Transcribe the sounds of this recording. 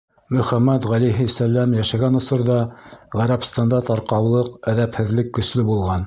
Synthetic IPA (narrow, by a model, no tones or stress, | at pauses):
mɵ̆χæmːæt̪ʁæliɦisælːæmjæʃæɡænŏsɤ̆ɾðɑʁæɾæpst̪ɑnd̪ɑt̪ɑɾqɑwlˠɤqæðæphɘ̆ðlɘkːɵ̆slɘbulˠʁɑn